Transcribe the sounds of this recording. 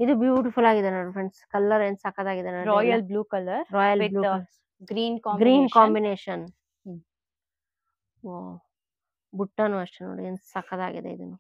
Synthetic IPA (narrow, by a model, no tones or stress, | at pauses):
id̪ubjuːʈifulaːɡid̪enɐːɖifɾeɳɖskɐlːɐɾeːnsɐkːɐd̪aːɡid̪enɐːɾɔːjɐlbluːkɐlːɐɾɾɔːjɐlbluːs | ɡɾiːnkɔ̃ːɡɾiːnkãːmbineːʃɐn | oː | buʈːɐnuɐʂʈeno̰ːɽieːnsɐkːɐd̪a̰ːɡḭd̪ḛḭd̪unːu